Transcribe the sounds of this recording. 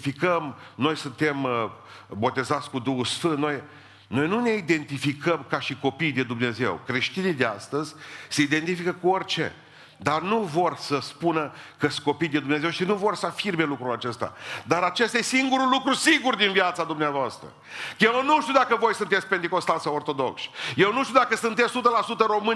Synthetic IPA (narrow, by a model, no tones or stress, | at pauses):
fikəmno̞jsunt̪e̞m | bo̞t̪e̞zat̪sʲkud̪uhusfɨnt̪noj | no̞jnune̞id̪e̞nt̪ifikəmkaʃiko̞pijd̪e̞d̪umne̞ze̞̰wkɾe̞ʃt̪inijd̪ea̰st̪əzʲseid̪e̞nt̪ifikəkuorʲt͡ʃe̞̰ | d̪arnuvo̞rsəspunəkəsko̞pijd̪e̞d̪umne̞ze̞wʃinuvo̞rsəafirme̞lukɾulat͡ʃe̞st̪a̰d̪aɾat͡ʃe̞st̪ajesiŋɡuɾulukɾusiɡurd̪invjat̪sad̪umneavoast̪ɾə̰ | eownuʃt̪iud̪akəvo̞jsɨnt̪et̪sʲpent̪iko̞st̪alsawort̪o̞d̪o̞̰kʃje̞wnuʃt̪ʲud̪akəsɨnt̪essut̪əlasut̪əɾo̞mɨn